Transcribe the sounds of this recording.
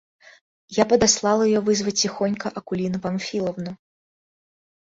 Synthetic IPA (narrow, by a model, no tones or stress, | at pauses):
japɐd̪aslˠalˠɐjjɔvɨzvɐt͡sʲixɔnʲkɐʔɐkulʲinɐpamfʲilˠɐwnu